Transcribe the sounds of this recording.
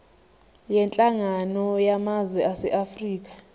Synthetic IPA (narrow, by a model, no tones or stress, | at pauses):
jɛnt͡ɬʼaŋanɔjamazwɛʔasɛ̰ʔafriːk̬ʼḁ